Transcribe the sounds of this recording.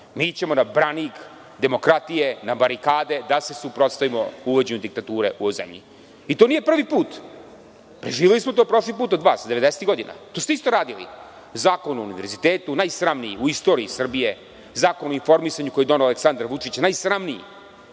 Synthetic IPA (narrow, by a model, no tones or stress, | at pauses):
mit͡ɕe̞mo̞nabɾanik | d̪e̞mo̞kɾat̪ije̞nabaɾikaːd̪e̞d̪ase̞supɾo̞t̪st̪aʋimo̞uʋod͡ʑe̞ɲud̪ikt̪at̪uːɾeʔuojzḛmʎḭ | it̪o̞nije̞pr̩ʋipuːt̪ | pɾeʒiːʋe̞lismo̞t̪opɾo̞ʂlipuːt̪od̪ʋaːsd̪e̞ʋe̞d̪eset̪ɡo̞d̪ina̰t̪ost̪eist̪o̞ɾaːd̪ilḭ | zaːko̞nuunḭʋe̞ɾzit̪eːt̪unajsɾamnijiuist̪o̞ːɾiisr̩bije̞ | zaːkonuinfo̞ɾmisaɲukojed̪o̞nealeksand̪ɾaʋut͡ʂit͡ɕnajsɾamnijḭ